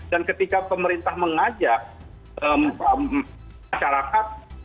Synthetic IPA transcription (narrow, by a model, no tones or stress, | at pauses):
dankət̪ikapəməɾint̪ahməŋad͡ʒaʔ̚ | ʔəmə | aʃaɾakat̪̚